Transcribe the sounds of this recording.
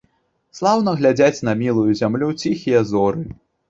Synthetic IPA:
slˠawnɐɣlʲad͡zʲat͡sʲnɐmʲilˠujuzʲamlʲut͡sʲixʲijɐzɔɾɨ

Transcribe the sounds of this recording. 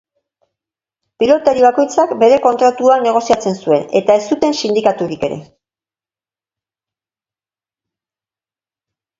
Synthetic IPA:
pilo̞t̪aɾiβ̞ako̞jt͡sakbe̞ɾe̞ko̞nt̪ɾat̪uane̞ɣ̞o̞siat͡se̞nsue̞ne̞̰t̪ae̞st̪ut̪e̞nsind̪ikat̪uɾike̞ɾe̞̰

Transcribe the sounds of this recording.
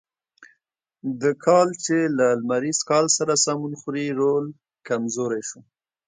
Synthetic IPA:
d̪əkʰɑlt͡ʃelalmaɾiz̥kɑlsaɾasɑmunxɾiɾol | kamzoɾajʃu

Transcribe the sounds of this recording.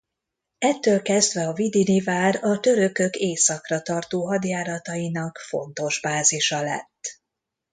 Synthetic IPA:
ɛt̪ːøːlkɛzd̪vɛɒvid̪inivaːrɒt̪ø̞ɾø̞kø̞keːsɒkrɒt̪ɒrt̪oːɦɒd̪jaːɾɒt̪ɒjinɒkfo̞̰nt̪o̞ʒbaːziʃɒlɛ̰t̪ː

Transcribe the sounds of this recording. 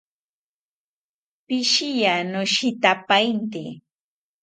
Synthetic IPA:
pɪʃɪjanʊʃɪt̪apajnt̪ḭ

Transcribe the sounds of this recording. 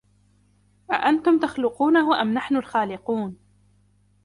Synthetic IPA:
ʔa̰ʔant̪ʊmt̪axlʊquːnahʊʔamnaħnʊlxaːlɪquːn

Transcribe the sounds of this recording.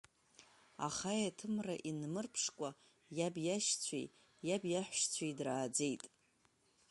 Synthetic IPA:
a̰χajatʰɨmraʔinmɨrpʰʂkʷʼa | jabjaʃt͡sʷʰḛj | jabjaħʷʃt͡sʷʰejdraːd͡zejtʼ

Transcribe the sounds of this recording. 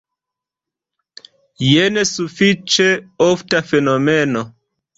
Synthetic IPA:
jenesufit͡ʃeoftafenomeno

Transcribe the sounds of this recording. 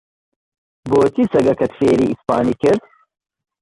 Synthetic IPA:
boːt̪isɐɡɐkɐt̪feːɾḭːʔispaːniːkɪɾd̪

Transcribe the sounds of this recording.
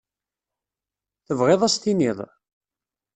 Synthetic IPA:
θəvʁeðˤæst̪iniðˤ

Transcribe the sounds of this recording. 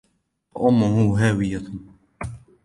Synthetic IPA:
aʔʊmːʊhuːɦaːwɪja

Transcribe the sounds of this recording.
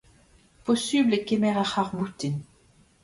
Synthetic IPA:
pɔsyblɛkemɛʁaχaʁbut̪in

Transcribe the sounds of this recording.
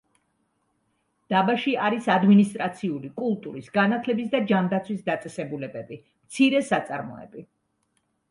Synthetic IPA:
d̪̥abaʃiaɾisad̪minist̪ʼɾat̪sʰiulikʼulˠt̪ʼuɾisɡanat̪ʰlɛbisd̪ad͡ʒamd̪at̪sʰwisd̪at̪sʼɛsɛbulɛbɛbi | mt̪sʰiɾɛsat̪sʼaɾmɔ̰ɛ̰bi

